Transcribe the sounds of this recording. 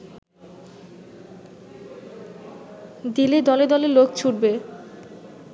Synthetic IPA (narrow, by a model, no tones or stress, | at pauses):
d̪iled̪ɔled̪ɔlelokt͡ɕʰuɖ̚be